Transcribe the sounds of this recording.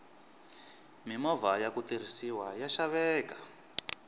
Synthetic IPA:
mimɔvajakut̪ir̤isiwajaʃaβɛːkḁ

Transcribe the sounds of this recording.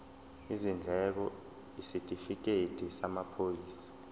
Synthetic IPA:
izind͡ɮʱɛk̬ɔ | isitʼifik̬etʼisamapʰojiːsḁ

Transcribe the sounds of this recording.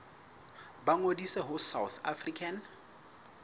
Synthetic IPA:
baŋodisɛɦʊsawθafrikʰan

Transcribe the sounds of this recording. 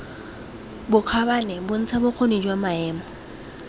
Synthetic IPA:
bʊq͡χʰabanɛbʊn̩t͡sʰabʊk͡xʰonid͡ʒwamaɛːmɔ

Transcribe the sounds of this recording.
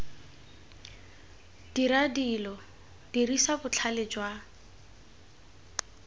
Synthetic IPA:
d̥iɾadilɔ | d̥irisabʊt͡ɬʰalɪd͡ʒwa

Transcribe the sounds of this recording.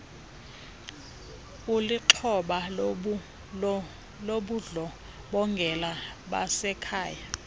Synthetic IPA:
uliǁʰɔɓa | loɓuɮɔ | ɓɔŋɡʱɛlaɓa̰sɛkʰaːja

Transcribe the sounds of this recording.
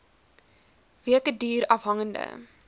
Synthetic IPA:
viəkədiːɾɐfɦɐŋəndə̰

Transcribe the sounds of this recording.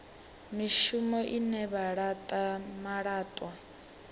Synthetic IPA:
miʃumɔʔinɛβaɺatʼamaɺaːtʼwa

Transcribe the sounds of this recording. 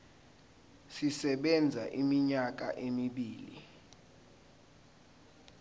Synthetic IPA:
sisɛɓɛnd͡zʱaʔimiɲak̬a̰ʔemiɓiːlḭ

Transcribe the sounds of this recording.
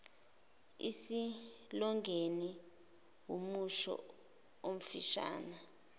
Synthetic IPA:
isilɔŋɡʱeni | wumuʃɔ̰ | om̩fiʃa̰ːna

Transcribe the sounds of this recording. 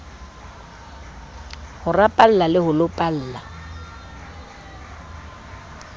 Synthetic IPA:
hʊrapʼal̩lalɪhʊlʊpʼal̩ːla

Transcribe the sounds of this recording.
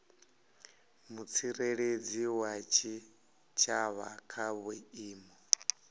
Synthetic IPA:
mut͡sʰiɾeɺed͡ziwat͡ʃʰi | t͡ʃʰaβakʰaβɛiːmɔ

